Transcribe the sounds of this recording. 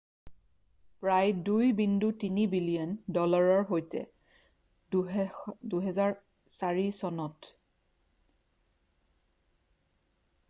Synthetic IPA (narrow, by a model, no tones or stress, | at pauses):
pɹajdujbindutinibilijɔndɔlaɹɔɹɦojtɛ̰ | duɦɛzaɹ | saɹisɔnɔt